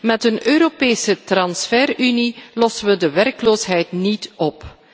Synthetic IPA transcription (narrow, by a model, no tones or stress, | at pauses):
mɛtənøːɾopeːsətrɑnsfɛːrynilɔsəʋədəʋɛrkloːsɦɛjtnitɔp